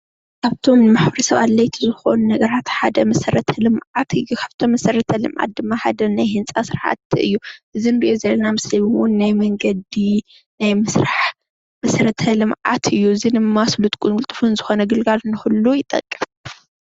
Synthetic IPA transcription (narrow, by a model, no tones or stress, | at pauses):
kʰaβt̪ʰomɨmaħβɾisɐβa̰lːɐjt̪ʰizɨxo̞̰nunɐɡɐɾat̪ħad̪ɐmɐsɐɾɐt̪ʰɐlɨmʕat̪ʰɨjːukʰaβt̪ʰomɐsɐrɐt̪ʰɐlɨmʔa̰t̪̚d̪ɨmːaħad̪ɐnajhɨnt͡sʼasɨɾħa̰t̪ɨ̰jːuʔɨzinɨɾiʔjozɐlːɐnamɨsliwʊnːajmɐŋɡɐd̪i | najmɨsɾaħ | mɐsɾɐt̪ʰɐlɨmʕa̰t̪ʰɨjːuɨzinɨmaslut̪ʼkʼuɨlt̪ʼɨfunzɨxo̞nɐɡɨlɡalnɨxulːujɪt̪ʼɐ̰kʼːɨf